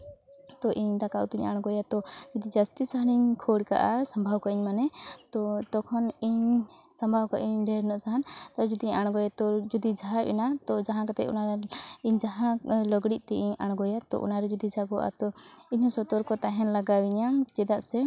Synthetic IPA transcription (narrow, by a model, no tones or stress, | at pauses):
t̪ɔʔiɲd̪akaʔṵt̪iɲa̰ɽ̃ɡɔjat̪ɔd͡ʒud̪id͡ʒast̪isaɦɽ̃iɲkʰɔɽka̰ʔasambʱawkaʔiɲmanɛt̪ɔt̪ɔkʰɔniɲ | sambʱawkaʔiɲɖʱɛɾnɔʔsaɦant̪aɾɛd͡ʒud̪iɲaɽ̃ɡɔjat̪ɔd͡ʒud̪id͡ʒʱaaḭnat̪ɔd͡ʒaɦãkat̪ɛcɔ̰naɾaiɲd͡ʒaɦãlɔɡɽiʔ̚t̪ɛʔiɲaɽ̃ɡɔjat̪ɔ̰ʔɔ̰naɾɛd͡ʒud̪id͡ʒʱaɡɔwʔa̰t̪ɔiɲɔsɔt̪ɔɾkɔt̪aɦɛnlaɡawiɲad͡ʒɛd̪aʔsɛ